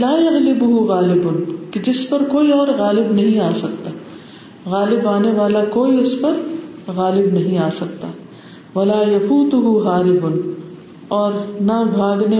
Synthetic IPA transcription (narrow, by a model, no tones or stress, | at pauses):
laːjɐɣlɪbʊɦʊɣaːlɪbʊnkid͡ʒɪspɐɾkoːiɔːɾɣaːlɪbnɐɦĩaːsɐkt̪aː | ɣaːlɪbaːneʋaːlakoːiʊspɐɾɣaːlɪbnɐɦĩaːsɐkt̪aː | ʋɐlaːjɐfuːt̪ʊɦʊɣaːlɪbʊn | ɔːɾnabʱaːɡne